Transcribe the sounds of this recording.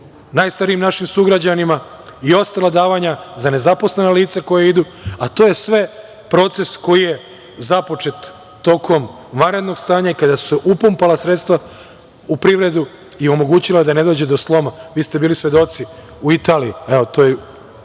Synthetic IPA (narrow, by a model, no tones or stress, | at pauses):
naːjst̪aɾiimnaʃimsuɡɾad͡ʑanima | io̞st̪alˠad̪aːʋaɲazane̞zapo̞slenaliːt̪sako̞jeid̪u | at̪o̞ːje̞sʋe̞ | pɾo̞t̪se̞sko̞jije̞ | zapo̞t͡ʃe̞t̪ː | o̞kʰo̞m | ʋanɾe̞d̪no̞ɡst̪aːɲaikad̪asueʔupumpalasɾet̪st̪ʋa | upɾiʋɾe̞d̪u | io̞mo̞ɡuːt͡ɕilad̪ane̞d̪oːd͡ʑed̪oslˠo̞maʋiːst̪e̞biːlisʋe̞d̪o̞t̪si | uit̪aːliieo̞t̪oje